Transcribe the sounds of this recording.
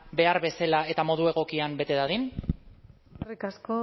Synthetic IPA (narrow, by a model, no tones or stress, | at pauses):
be̞aɾβe̞selae̞t̪amo̞ð̞ue̞ɣ̞o̞kiambe̞t̪e̞ðaðin | rikasko